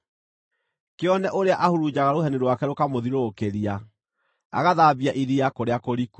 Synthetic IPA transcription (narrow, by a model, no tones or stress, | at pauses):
keɔnɛʔoɾeaʔahuɾud͡ʑaɣaɾoɦɛniɾwakɛɾokamoðiɾokeɾia | a̰ɣaðaːβiaʔiɾiakoɾeakoɾiku